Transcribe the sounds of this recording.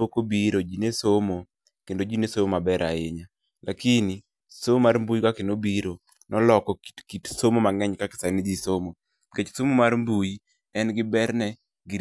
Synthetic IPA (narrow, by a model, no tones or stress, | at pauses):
okobiɾod͡ʒinesomo | kendod͡ʒinesomomabɛɾʔa̰eɲa | lʔakini | somarmbujkakɪnobiɾo | nɔlɔkɔkitsomomaŋɛɲkakɪ̥sanɪd͡ʒisomo | ket͡ʃsomomarmbuj | ɛnɡɪbɛɾnɛ | ɡɪ